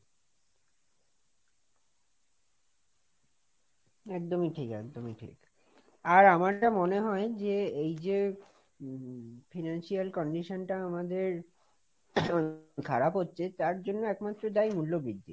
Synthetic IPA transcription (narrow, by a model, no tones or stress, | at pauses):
ɛk̚d̪omiʈʰikɛk̚d̪omiʈʰḭk | aɾamaʈamoneɦɔed͡ʑeejd͡ʑe | finanʃialkɔɳɖiʃonʈaamad̪eɾ | kʰaɾapɦotːɕʰet̪aɾd͡ʑonːoɛkmat̪ːɾod̪ajmulːobid̪ːḭ